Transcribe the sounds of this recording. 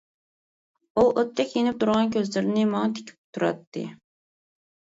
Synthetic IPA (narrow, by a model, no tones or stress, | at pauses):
uʔot̪ʰːɛkʲjenɪp̚t̪ʰuɾʁɑnkʲʰøzlɪɾɪnɪmɑŋɑt̪ʰe̥kʲʰi̥p̚t̪ʰuɾɑ̰t̪ːɨ̰